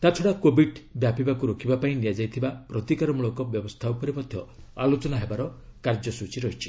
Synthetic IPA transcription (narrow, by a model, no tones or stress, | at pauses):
t̪at͡ʃʰɔɽakobiɖbjapibakuɾokʰibapaĩnijad͡ʒajt̪ʰibapɾɔt̪ikaɾɔmuɭɔkɔbjɔbɔst̪ʰawpɔɾimɔd̪ʱjɔalot͡ʃɔnaɦebaɾɔkaɾd͡ʒɔsut͡ʃiɾɔɦit͡ʃʰi̥